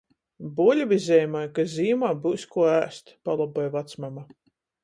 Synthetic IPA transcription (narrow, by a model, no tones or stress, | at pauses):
bulʲvizʲɛjmajkazʲiːmaːbuːskuɔæːst̪palˠɔbɔjvat̪smama